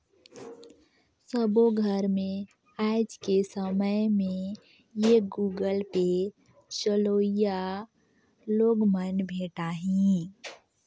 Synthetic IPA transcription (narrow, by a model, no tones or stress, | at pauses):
səboɡʱəɾmẽ | aːɪd͡ʒkesəməjmẽ | jeɡuːɡəlpe | ʃəloːja | loːɡmənbʱeːʈaɦĩ